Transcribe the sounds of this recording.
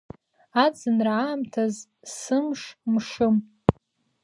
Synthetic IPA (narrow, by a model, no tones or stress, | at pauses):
ad͡zɨnraaːmtʰaz | sɨmʂmʂɨm